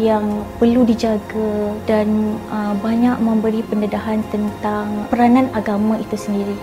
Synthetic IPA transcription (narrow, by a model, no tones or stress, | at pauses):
jaŋpərludid͡ʒaɡadanəbaɲaʔ̚mə̃mbəɾipəndədaɦant̪ənt̪aŋpəɾanãnaɡamãit̪usəndiɾi